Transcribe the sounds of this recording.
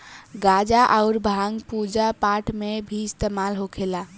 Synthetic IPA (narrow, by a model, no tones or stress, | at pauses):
ɡad͡ʒaʔaʊɾbʱaŋɡpud͡ʒapaʈmebʱist̪emalɦokʰela